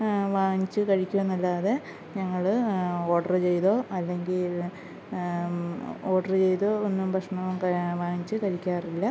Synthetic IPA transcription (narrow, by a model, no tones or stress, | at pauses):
ʋaːɲit͡ɕːɨkɐɻikʲːuʋenːɐlːaːðe | ɲɐŋːɐɭo̞ːʈɐrɨt͡ɕe̞jðoːʔɐlːe̞ŋɡil | o̞ːʈɐrɨt͡ɕe̞jtðoːonːumpɐʂɳɐɐmkɐʋaːŋit͡ɕːɨkɐɻikʲːaːrilːɐ